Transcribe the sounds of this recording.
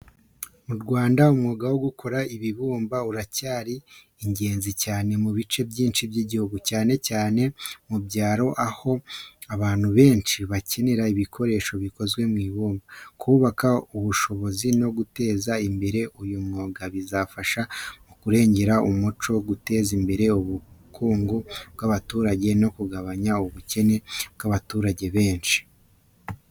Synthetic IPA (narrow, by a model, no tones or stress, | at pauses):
muɾɡwaːndaumŋo̞ːɡawo̞ɡukʰo̞ɾaiβiβuːmbauɾacaːɾiː | ɲɟe̞ːnzicaːne̞muβit͡ʃe̞bjiːnt͡ʃibjiːɟihuɡucaːne̞caːne̞mubɟaːɾo̞ʔaho̞aβaːn̥huβe̞ːnt͡ʃiβace̞ne̞ɾaiβikʰo̞ɾe̞ːʃo̞βiko̞zɡwe̞mwiːβuːmbakʰuβakauβuʃo̞βo̞zino̞ɡute̞ːzaimbe̞ɾe̞ujumŋoːɡaβizafaʃamukuɾe̞ːɲɟe̞ɾaumut͡ʃo̞ɡute̞ːzimbe̞ɾe̞uβukʰuːŋɡobɡaβatuːɾaɟe̞no̞kuɡaβaɲauβuce̞ne̞b̥ɡaβatuːɾaɟe̞βe̞ːnʃi̥